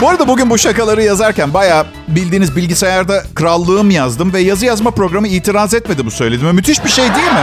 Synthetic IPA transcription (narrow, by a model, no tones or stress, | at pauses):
boɾad̪abuɟynbuʃakalˠaɾɯjazaɾcænbajaː | bilʲd̪iːnizbilʲɟisejaɾd̪akʰɯɾalˠːɯːɯmjazd̪ɯmvɛjazɯjazmapɾo̞ɡɾamɯiːt̪ʰiɾazɛt̪me̞d̪ibusø̞jlʲed̪imɛmyt̪ʰiʃbiʃejd̪ijemɪ